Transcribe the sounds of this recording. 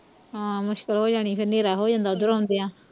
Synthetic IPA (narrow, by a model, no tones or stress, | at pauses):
ãːmʊʃkəlɦoːd͡ʒaːɽ̃iːpʰɪɾneːɾaːɦoːd͡ʒãːnd̪aːʊd̪əɾaõːnd̪eːãː